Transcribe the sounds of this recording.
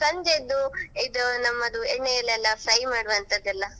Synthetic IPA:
sɐɲd͡ʒed̪ːuid̪ɐnɐmːɐd̪ueɳːejɐlːɛlːɐfʰɾɐjmaːɽɐʋɐnt̪ɐd̪ɐlːɐ

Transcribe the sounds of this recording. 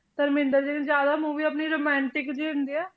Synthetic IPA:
t̪əɾmɪ̃nd̪əɾd͡ʒiːnẽd͡ʒjaːd̪aːmuːʋiːəpniːɾoːmɛ̃ːɳʈɪkd͡ʒiːɪnd̪iːɛː

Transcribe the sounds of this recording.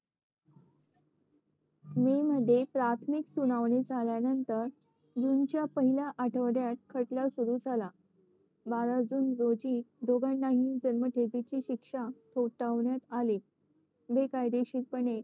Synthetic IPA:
meməd̪ʱːjepɾat̪ʰmiksunaʋned͡zʱaljanənt̪əɾ | d͡zunt͡ɕjapəɦilaʔaʈʰəʋɾjat̪̚kʰəʈlasuɾuːd͡zʱala | baɾad͡zuːnɾod͡ʑiːt̪d̪oɡaɳːaɦiːnd͡ʑənməʈʰebit͡ɕiːɕikʂaʈ̪ʰoʈaʋɳjat̪aliː | bekajd̪eɕiːk̚pəɳe

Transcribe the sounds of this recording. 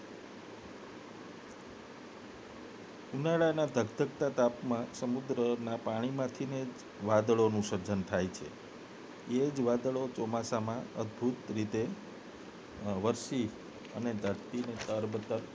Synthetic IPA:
unaɭanad̪ʱəɡt̪əkt̪at̪apmãsəmud̪ɾənapaɽ̃imãt̪ʰined͡ʒ | ʋad̪əɭonũʃəɾd͡ʒənt̪ʰajt͡ʃʰḛ | ed͡ʒʋad̪əɭot͡ʃɔmasamãəd̪bʱut̪ɾit̪e | ʋəɾʃi | ə̰ned̪ʱəɾt̪inet̪əɾbət̪əɾ

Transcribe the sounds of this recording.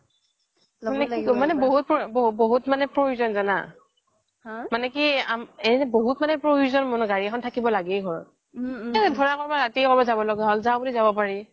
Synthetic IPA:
anɛimanɛboɦut̚pɹobboɦutmanɛpɹojuzɔnzana̰ | manɛkiamɛnɛboɦutmanɛpɹouzɔnmɔnʊɡaɹiɛkʰɔntʰakibɔlaɡɛɡʱɔɹɔ̰t̚ | ɛdʱɔɹakɔɹbaɹatikɔbɔzabɔlɔɡɛɦɔlzawbulizabɔpaɹi

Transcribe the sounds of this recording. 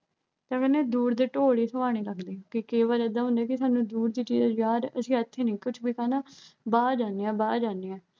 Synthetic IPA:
t̪ãːkəneːd̪uːɾd̪eːʈoːɽiːsəʋaːɽ̃iːləɡd̪iːkikeːʋəːd͡ʒəd̪aːɦʊ̃nd̪eːkɪsaːnũːd̪uːɾd̪iːt͡ʃiːzːd͡ʒjaːɾəsĩːət̪ʰːẽːnĩːkʊt͡ʃʰbiːkaːnaːbaːd͡ʒaːneːɛ̃ːbaːd͡ʒaːneːɛː

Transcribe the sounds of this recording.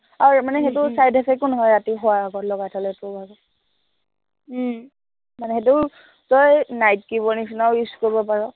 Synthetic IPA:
amanɛxetʊsajdʱakʰɛkːʊnɔɦɔjɹatiɦʊwaːɡɔtlɔɡatʰalɛtʊbaɡɔ | manɛxet̬ʊ | tɔjnajt̚kibɔnisʰinawiskoɹibɔpaɹɔ

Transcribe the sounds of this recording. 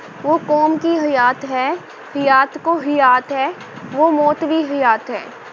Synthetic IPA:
ʋoːkɔːmkiɦɐjaːt̪ɦɛː | hɪjaːt̪koɦɪjaːt̪ɦɛː | ʋomɔːt̪ʋiɦɪjaːt̪ɦɛː

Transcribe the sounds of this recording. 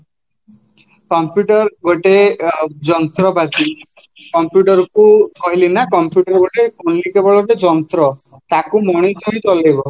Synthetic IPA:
kɔmpjuʈɔɾɡoʈed͡ʒɔnt̪ɾɔbat̪i | kɔmpjuʈɔɾɔkukɔɦilinakɔmpjuʈɔɾɔɡoʈeonːikebɔɭɔʈed͡ʒɔnt̪ɾɔ | t̪akumɔɽ̃it̪ʰɔ̃ĩt͡ʃɔlejbɔ

